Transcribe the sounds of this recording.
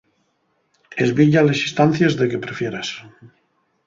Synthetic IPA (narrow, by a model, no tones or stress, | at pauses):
ezβiʎalesist̪an̟θjezðekepɾefjeɾas